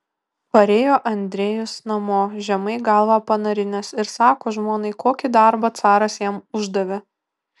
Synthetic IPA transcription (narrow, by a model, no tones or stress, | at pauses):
pɐɾʲeːjoːʔɐnʲd̪ʲɾʲeːjʊsnɐmoːʒʲɛmɐɪɡɐlˠʋɑpɐnɐɾʲɪnʲɛsɪɾsɑːkoːʒmoːnɐɪkoːkʲɪd̪ɐɾbɐt̪sɑːɾɐsjɛmʊʒd̪ɐʋʲe